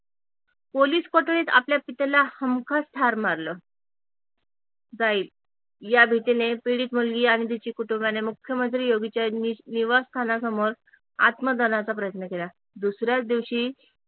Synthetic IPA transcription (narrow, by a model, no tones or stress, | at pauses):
poliːskɔʈɭiːt̪a̰pljapit̪elahəmkʰast̪ʰaɾmaɾlə | d͡zaiːl | jabʱit̪inepiɽiːt̪mulɡiːaɽ̃it̪̬it͡ɕiːkuʈumbjanemukʰjəmənt̪ɾijoɡit͡ɕjaniʋast̪ʰanasəmoɾ | a̰t̪məd̪ənat͡sapɾəjət̪nəkela | d̪usɾjat͡sd̪iʋɕiː